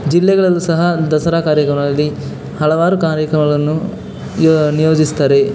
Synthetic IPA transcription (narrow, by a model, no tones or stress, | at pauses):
d͡ʒilːɛɡɐɭɐlːusɐɦɐd̪ɐsɐɾaːkaːɾjɐkɾɐmɐɐlːi | hɐɭɐʋaːɾukaːɾjɐkɾɐmɐɡɐɭɐnːu | nijoːd͡ʒist̪aːɾe̞